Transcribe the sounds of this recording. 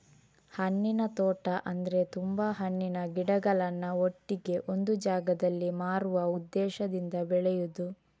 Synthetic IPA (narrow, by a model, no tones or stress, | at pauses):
hɐnːinɐt̪oːʈɐʔɐnd̪ɐɾe̞t̪umbaːɦɐɳːinɐɡiɽɐɡɐɭɐnːɐoʈːiɡe̞ʔo̞nd̪ud͡ʒaːɡɐd̪ɐlːimaːɾuʋɐud̪ːɛːʃɐd̪ind̪ɐbɛɭɛjud̪u